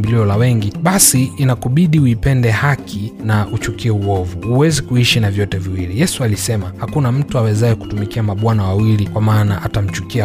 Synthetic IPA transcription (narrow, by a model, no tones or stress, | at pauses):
mbiliɔlawɛŋɡiɓasiːnakuɓiɗiuipɛndɛhakʰinaʔut͡ʃukiɛuɔvuuwɛzikuiʃinavjɔtɛviwilijɛsualisɛmahakunam̩tuawɛzaɛku̥tumikiamaɓwanawawilikwamaːnaʔatam̩t͡ʃukia